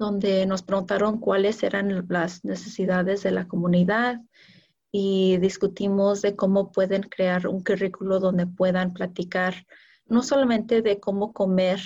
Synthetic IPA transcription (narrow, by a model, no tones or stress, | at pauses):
d̪̥o̞nd̪e̞no̞spɾe̞ɣunt̪aɾo̞ŋkwale̞se̞̰ɾanlazne̞se̞siðaðe̞zðe̞lako̞mũniðað | iðiskut̪imo̞zðe̞ko̞mo̞pwe̞ðe̞ŋkɾe̞aɾṵŋkurikuloðo̞nd̪e̞pwe̞ðamplat̪ikaɾ | no̞so̞lamẽnt̪e̞ðe̞ko̞mo̞ko̞me̞ɾ